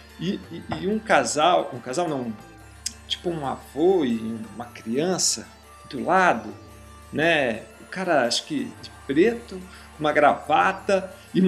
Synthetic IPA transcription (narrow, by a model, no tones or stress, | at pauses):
ɪːũkazawũkazawnɐ̃w̃ | t͡ʃi̥pʊũa̰voɪũmɐkɾiɐ̃sɐ | d̪ʊlad̪ʊ | nɛʊkaɾɐaʃʊ̥kɪd͡ʒɪpɾet̪ʊ | ũmɐɡɾavat̪ɐ | ɪ̃